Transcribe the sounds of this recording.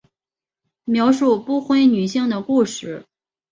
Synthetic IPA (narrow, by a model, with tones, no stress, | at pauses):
mjɑ˧˥ʊʂu˥˩pu˥˧xwe˥ɪny˨˩ɕi˥˩ŋd̪ə˩ku˥˧ʂɻ̩˥˩